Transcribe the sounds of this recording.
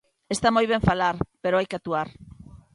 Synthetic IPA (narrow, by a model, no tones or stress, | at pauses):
est̪amojβ̞eɱfalaɾpeɾoajkeat̪uaɾ